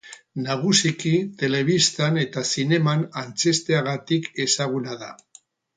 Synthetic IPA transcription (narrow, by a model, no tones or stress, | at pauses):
naɣ̞usikit̪e̞le̞βist̪ane̞t̪asine̞manant͡se̞st̪e̞aɣ̞at̪ike̞saɣ̞unaða̰